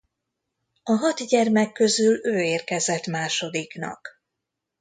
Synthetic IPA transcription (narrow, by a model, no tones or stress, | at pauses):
ɒɦɒt̪ɟɛrmɛkːøzyløːeːrkɛzɛt̪maːʃo̞d̪iknɒ̰k